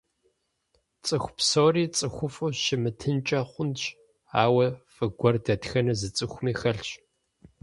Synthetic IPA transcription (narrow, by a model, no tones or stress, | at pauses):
t͡sʼɨxʷpsoːriːt͡sʼɨxʷʊfʊʃɪmɨtʰɨnt͡ʃʼɐχʷʊnt͡ʃ | aːwɐfɨɡʷɔrdɐtxɐnɐzɨt͡sʼɨxʷʊmiːxɐɬɕ